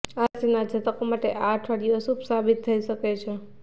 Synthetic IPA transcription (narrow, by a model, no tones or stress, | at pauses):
asinad͡ʒʱət̪əkomaʈeʔaʈʰʋaɽijosupsabit̪ʰːəiʃəket͡ʃʰe